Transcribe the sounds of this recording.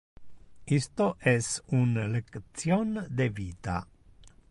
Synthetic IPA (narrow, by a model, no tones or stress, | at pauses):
ist̪oʔɛsunlekt̪sjond̪eviːt̪a̰